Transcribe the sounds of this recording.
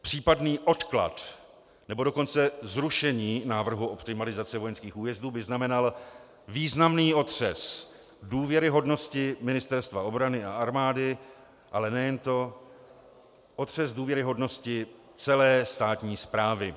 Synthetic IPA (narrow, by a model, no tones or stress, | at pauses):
pr̝̥iːpadniːʔo̞t̪kla̰t̪ | nɛbo̞do̞ko̞nt͡sɛzɾuʃɛɲiːnaːvr̩ɦuʔo̞pt̪ɪmalɪzat͡sɛvo̞jɛnskiːxuːjɛzduːbɪznamɛnal | viːznamniːo̞t̪r̝̥ɛs | duːvjɛɾɪɦo̞dno̞scɪmɪnɪst̪ɛɾst̪vao̞bɾanɪaaɾmaːdɪ | ʔalɛnɛjɛnt̪o̞ | ʔo̞t̪r̝̥ɛzduːvjɛɾɪɦo̞dno̞scɪ | t͡sɛlɛːst̪aːt̪ɲiːspɾaːvɪ